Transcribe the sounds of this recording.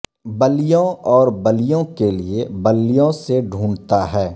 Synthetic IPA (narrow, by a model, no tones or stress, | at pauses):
bəlijõɔːɾbəlɪjõkeliebəlːijõseɖʱũːɳt̪aɦɛː